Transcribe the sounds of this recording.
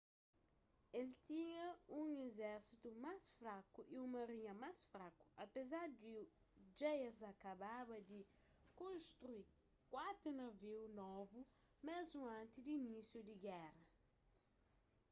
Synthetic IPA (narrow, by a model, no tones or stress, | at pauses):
elt̪iɲɐũŋezɛɾsit̪umasfɾakuʔiumɐɾiɲɐmasfɾaku̥ɐpezaɾd̪i | d͡ʒejɐzakababɐd̪ɪ | kõnst̪ɾui | kwat̪ɾunɐviwnɔvu | mɛzmuãnt̪id̪inisjud̪iɡɛrɐ